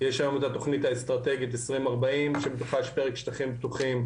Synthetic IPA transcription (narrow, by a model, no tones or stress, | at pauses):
jeʃajomot̪at̪o̞χnit̪aest̪ʁat̪e̞ɡit̬esʁimaʁbaimʃebet̪uχajʃpe̞ʁekʃt̪aχimbtuχim